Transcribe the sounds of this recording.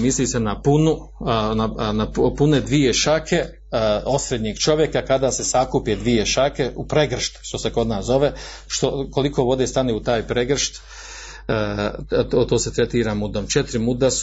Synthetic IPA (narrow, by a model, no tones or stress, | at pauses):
misliːsenapunu | nanapuned̪ʋije̞ʃakʰe̞ | o̞sɾed̪ɲiːɡt͡ʃo̞ʋjekakad̪aːse̞sakuped̪ʋijeʃake̞upɾeɡr̩ʃt̪ʃt̪o̞seko̞d̪naːszo̞ʋe | ʃt̪oko̞liko̞ːʋo̞d̪eːst̪aneut̪aːjpɾeɡr̩ʃt̪ː | tot̪oːse̞t̪ɾet̪iːɾamud̪omt͡ʃet̪ɾimud̪as